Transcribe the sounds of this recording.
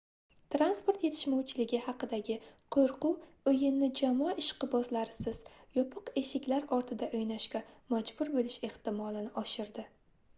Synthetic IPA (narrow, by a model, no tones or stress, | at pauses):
t̪ɾanspo̞ɾt̪je̞t̪ʰɪ̥ʃmawt͡ʃʰɪlɪɡʲɪhɑqɨd̪aɡʲɪqʰoɾqʊ | ɵjɪnːɪd͡ʒamɒɑɪʃqɨbɒzlaɾɪsɪz̥jɒpʰɨqe̞ʃɪkʲlaɾɒɾt̪ʰɪd̪aʔojnaʃkʲamad͡ʒbʊɾbolɪʃe̞ht̪ɪmɒlˠɪnɪʔɒʃɪɾd̪ɪ